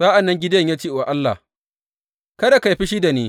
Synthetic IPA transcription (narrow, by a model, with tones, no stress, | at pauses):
saː˦ʔa˨nːɐ˦ŋɡʲɪ˦dɐ˦ɲja˦tiː˦˨wa˨ʔa˦lːa̰˨ | kɐ˦da˨ka˨jɸi˦ʃi˦da˨neː˦